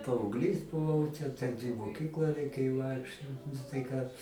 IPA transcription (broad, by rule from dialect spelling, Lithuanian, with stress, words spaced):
pɐɐʊɡˈlʲiːs bʊˈʋɐʊ ˈtʲɛn tʲɛn ɪ moːˈkʲiːklˠɑː rʲɛɪˈkʲeːjoː ˈʋɐɪkʃʲt͡ʃʲoːt nʊ tɐɪ ˈkɑː